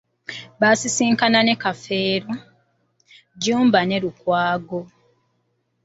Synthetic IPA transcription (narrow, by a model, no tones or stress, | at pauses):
βasisiːŋkanane̞kafe̞ːɾo | ɟuːmbane̞ɾukwaːɡo